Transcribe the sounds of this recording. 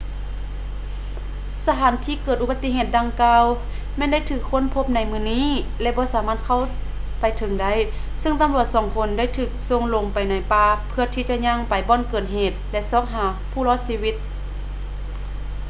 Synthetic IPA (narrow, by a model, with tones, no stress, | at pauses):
sa˧t̪ʰaː˨˦nt̪ʰiː˧˨kɤː˨˩t̪̚ʔu˧ba˧t̪ːi˧˨ɦeː˧˩t̪̚da˧ŋkaː˧w | mɛː˧˥˨nda˥˨jt̪ʰɯː˧˩kʰːo˧˥˨npʰo˧˥p̚na˧˥jmɯː˧˩˨niː˧˥˨lɛ˧bɔː˧˦saː˨˦maː˧˥t̪̚kʰa˧˩˨wpa˨jt̪ʰɤ˨˧˦ŋda˧˥˩j | sɯ˧˥ŋt̪a˧˦mlu˧˩ət̪̚sɔː˨˩˦ŋpʰo˧˦nda˥˩˨jt̪ʰɯː˧˩k̚so˧˨ŋlo˧˩ŋpa˨jna˨˧˩jpaː˧˩pʰɯ˧ɐt̪ʰiː˧˩t͡ɕa˧˨ʔɲa˧˨ŋpa˨jbɔː˧˥˨nkɤː˨˩t̪̚ɦeː˨˩t̪̚lɛ˧ʔsɔː˧˥˩p̚ɦaː˨˦ | pʰuː˧˩lɔː˧˥˩t̪̚siː˧wi˧˥t̪̚